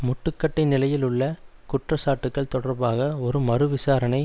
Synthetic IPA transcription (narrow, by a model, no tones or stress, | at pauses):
mʊʈːɯkːɐʈːɪnɪlɐjɪlʊɭːɐkʊʈrɐsaːʈːɯkːɐɭt̪ɔɽɐɾbaːɣɐɔɾɯmɐɾɯʋɪsaːɾɐnɐɪ